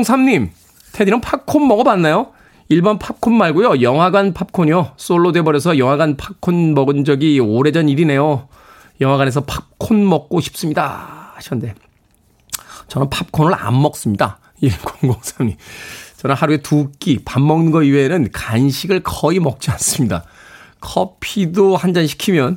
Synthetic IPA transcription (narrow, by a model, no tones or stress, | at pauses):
ŋsʰamɲim | tʰedinɯnpʰakʰonmʌɡʌbanːajo | iɭbʌnpʰap̚kʰonmaɭɡujojʌŋɦwaɡanpʰap̚kʰoɲjos͈oɭːodwe̞bʌɾjʌs̬ʰʌjʌŋwaɡanpʰak̚kʰonmʌɡɯnd͡ʑʌɡioɾe̞d͡ʑʌniɾine̞jo | jʌŋɦwaɡanesʰʌpʰap̚kʰonmʌk̚k͈oɕʰi̥p̚s͈ɯmɲida̰haɕʰʌnnde̞ | t͡ɕʌnɯnpʰap̚kʰonɯɭa̰mːʌk̚s͈ɯmɲida | ikoŋɡoŋsʰamɲit͡ɕʌnahaɾue̞tuk͈ipamːʌŋnɯɡʌienɯnkanɕʰiɡɯɭkʌimʌk̚t͡ɕ͈ians͈ɯmɲida̰ | kʰʌpʰidohand͡ʑanɕʰi̥kʰimjʌn